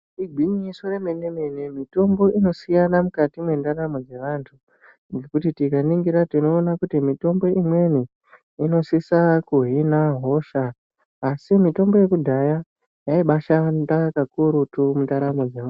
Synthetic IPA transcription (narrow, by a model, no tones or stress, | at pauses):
iɡʱiɲiso̞re̞me̞ne̞me̞nemito̞mbo̞ʔino̞sijanamukatimwendaɾamod͡ze̞ʋantʰu | ŋɡe̞kutitikaniŋɡiɾatino̞ːnakutimito̞mbo̞imwe̞ni | ino̞sisakuɦinaɦo̞ʃaː | simito̞mbo̞je̞kudʱaja | jaiɓaʃandakakuɾutumundaɾamod͡zeʋa